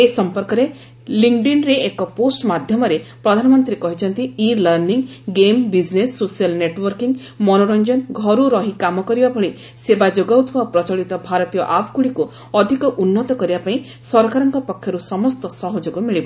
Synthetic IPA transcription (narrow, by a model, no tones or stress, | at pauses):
esɔmpɔɾkɔɾe | liŋɖinɾeːkɔposʈmad̪ʱjɔmɔɾepɾɔd̪ʱanɔmɔnt̪ɾiekɔɦit͡ʃʰɔnt̪iiɾlaɾniŋɡembid͡ʒnesːosijalneʈwɔɾkiŋ | mɔnɔɾɔnd͡ʒɔnɡʱɔɾuɾɔɦikamɔkɔɾibabʱɔɭi | sebad͡ʒoɡawt̪ʰubaopɾɔt͡ʃɔɭit̪ɔbʱaɾɔt̪ijɔʔapʰkuɭiku | ɔd̪ʱikɔʔunːɔt̪ɔkɔɾibapaĩ | sɔɾɔkaɾɔŋkɔpɔkʰːjɔɾusɔmɔst̪ɔsɔɦɔd͡ʒoɡɔmiɭibɔ